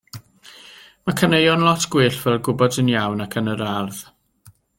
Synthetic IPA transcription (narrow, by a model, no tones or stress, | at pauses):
makʰənejɔnlˠɔtʰɡ̥wɨːɬv̥ɛlɡʊbɔdənjawnakʰənəɾarð̥